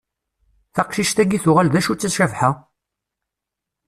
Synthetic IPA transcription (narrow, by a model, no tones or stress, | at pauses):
θɑqʃiʃt̪æɡiθʊʁalðæʃut͡sːæsʃævħa